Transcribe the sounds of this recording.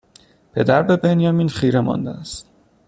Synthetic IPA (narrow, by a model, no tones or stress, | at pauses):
pʰe̞d̪æɾbe̞be̞njɒmiːnχiːɾemɒ̰nd̪ḛæst̪